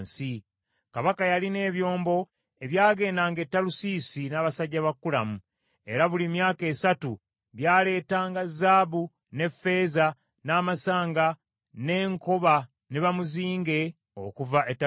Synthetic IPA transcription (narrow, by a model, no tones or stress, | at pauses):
nsi | kaβakajaline̞ːβjo̞ːmbo̞ | e̞βjaːɡe̞ːndaːŋɡetːalusiːsinaːβasaɟːaβakːula̰mu | e̞̰ɾaβulimjaːke̞ːsatu | βjaːle̞ːtaːŋɡazaːβu | ne̞fe̞ːza | naːmasaːŋɡa | ne̞ːŋko̞βa | neβamuziːŋɡe̞ | o̰kuvaʔetːa